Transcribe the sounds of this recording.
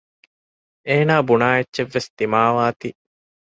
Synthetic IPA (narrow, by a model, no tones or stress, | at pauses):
eːnaːbunaːetːʃeʋːest̪imaːʋaːt̪i